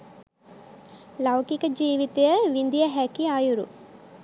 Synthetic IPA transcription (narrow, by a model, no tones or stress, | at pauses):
lɐwkikəd͡ʒiːʋit̪ejəʋind̪ijəɦækiaːjuɾṵ